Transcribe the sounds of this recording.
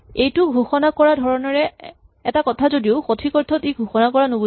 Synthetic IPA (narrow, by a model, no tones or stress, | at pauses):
ejtʊɡʱuxɔnakɔɹadʱɔɹɔnɔɹɛ | ɛtakɔtʰazodioxotʰikɔɹtʰɔtejɡʱuxɔnakɔɹanobu